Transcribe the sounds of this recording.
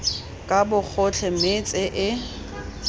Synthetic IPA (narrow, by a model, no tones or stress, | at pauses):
kʼabʊk͡xʰʊt͡ɬʰɛmet͡sʼɪʔɪ